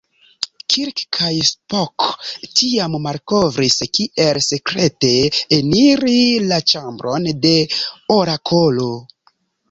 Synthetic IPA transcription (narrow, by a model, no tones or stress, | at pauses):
kʰiɾkkʰajspoktiammaɾko̞vɾiskiʔe̞lse̞kɾe̞te̞ːniɾilat͡ʃambɾo̞nde̞oɾakʰolo̞